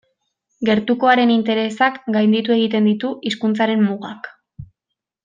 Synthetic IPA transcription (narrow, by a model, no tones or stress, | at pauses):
ɡe̞ɾt̪uko̞aɾe̞nint̪e̞ɾe̞sakɡajnd̪it̪ue̞ɣ̞it̪e̞nd̪it̪uiskunt͡saɾe̞mmuɣak